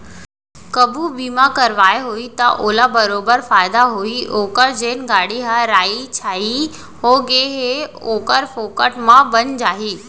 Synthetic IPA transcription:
kɐbʱubiːmãkɐɾʋaːeɦuit̪ɐʔoːlabɐɾoːbəɾfaːɪd̪aɦuiʔoːkəɾd͡ʑeːnɡaːɽ̤iɦaɾaːit͡ɕʰaːɦi | ɦoːɡeːɦeoːkəɾfoːkəʈmãbɐɲd͡ʑaːɦiː

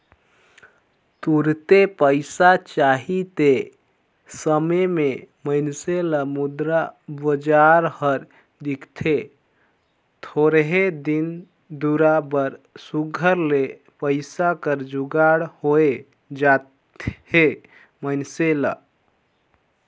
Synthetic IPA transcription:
t̪uɾt̪epəɪsat͡ʃaɦit̪e | səmememəɪnseləmud̪ɾabəd͡ʒaɾhəɾ | d̪ikʰt̪ʰe | t̪ʰoɾɦed̪in | d̪uɾabəɾsuɡʱəɾle | pəɪsakəɾd͡ʒuɡaɽhoe | d͡ʒat | e | məɪnselə̰

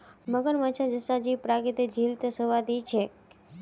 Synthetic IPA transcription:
məɡəɾmat͡ʃʰad͡ʒəsad͡ʒipɾaɡit̪ed͡ʒʱilt̪əsəʋad̪it͡ʃʰe

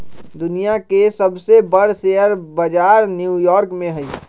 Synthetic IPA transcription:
d̪ʊnijakesəbsebəɽ̤sejəɾbəd͡ʒaːɾnjujɔːɾkmẽɦɛi

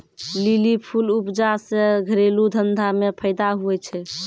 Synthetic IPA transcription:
lilipʰulupd͡ʒaseɡʱəɾelud̪ʱənd̪ʱamepʰəɪd̪aɦuɛt͡ʃʰɛ

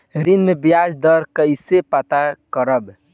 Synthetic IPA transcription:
ɾinmebijad͡ʒd̪əɾkəɪsepat̪akəɾəb

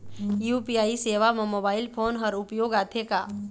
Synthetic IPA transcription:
juːpiaːiseːʋammobaːɪlpʰoːnɦəɾʊpjoːɡaːt̪ʰekaː

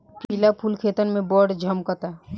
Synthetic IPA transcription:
pilapʰulkʰeːt̪ənmẽbɔːɾɖd͡ʒʱəmkət̪a

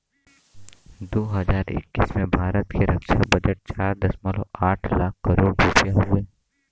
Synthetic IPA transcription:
d̪oːɦəzaːɾɪ̰kːismẽbʱaːɾət̪keɾɐkʃabɐd͡ʒəʈ̚t͡ʃaːɾd̪ɐsmalo̰aːʈʰlaːkʰːɐɾoːɽɾupjaɦʊeː

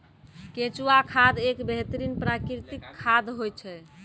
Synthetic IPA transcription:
ket͡ʃuwakʰad̪ekbeɦt̪əɾinpɾakɾit̪ikʰːad̪ʱɦojt͡ʃʰɛ

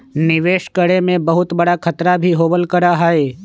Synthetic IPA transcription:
nɪʋeːʃkəɽemẽbɐɦʊt̪bɐɽakʰɐt̪ɾabʱiɦoːbəlkəɾaɦaeː

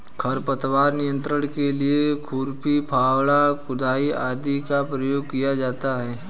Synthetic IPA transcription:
kʰɐɾpət̪waːɾnɪjə̃nt̪ɾəɽ̃keliekʰuːɾpipʰaːwɭakʊd̪aːiaːd̪ikapɾɐjoːɡkijad͡ʒaːt̪aɦɛː

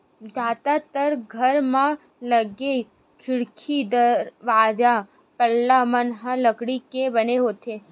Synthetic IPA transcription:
d͡ʒat̪at̪əɾɡʱəɾmã | ləɡe | kʰɪɽkʰid̪əɾʋad͡ʒa | pəlːamənɦələɡɽikebəneɦot̪ʰe

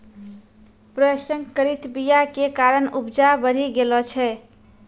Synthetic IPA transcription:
pɾəsəŋkəɾit̪bijakekaɾənupd͡ʒabəɾ̤iɡelɔt͡ʃʰɛ

